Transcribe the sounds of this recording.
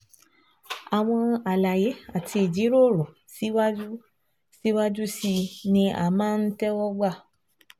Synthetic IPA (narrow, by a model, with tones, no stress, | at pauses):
a˨w̃ɔ̃˧a˨la˨je˨˦a˦˨ti˧i˨d͡ʒi˨˦ɾo˦˨ɾũ˨ | si˦wa˦u˦ | si˦wa˦d͡ʒu˦si˧nĩ˧ʔa̰˨mãː˦˧n̩˦tɛ˦wɔ˦ɡ͡ba˦˨